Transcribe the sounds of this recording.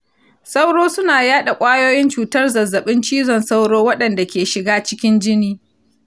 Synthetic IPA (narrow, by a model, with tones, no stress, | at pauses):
sa˦wɽoː˦sʊ˦naː˨jaː˦ɗa˨kʷʼaː˦joː˦jɪ˦nt͡ʃuː˨tɐ˦rzɐ˨zːɐ˨ɓɪ˦nt͡ʃiː˦zɔ˨nsa˦wɽoː˦wɐ˦ɗɐ˨nda˨kʲeː˨ʃɪ˨ɡaː˦t͡ʃɪ˦kʲɪ˦nd͡ʒɪ˦niː˦